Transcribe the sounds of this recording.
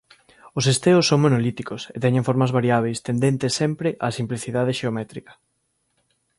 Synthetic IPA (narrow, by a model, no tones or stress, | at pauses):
osest̪eʊsːõŋmonolit̪ikoset̪ɛɲẽɱfoɾmɐzβaɾiaβ̞ejst̪end̪ent̪esːɛmpɾɪʔasimpliθiðað̞eʃeomɛt̪ɾikɐ̥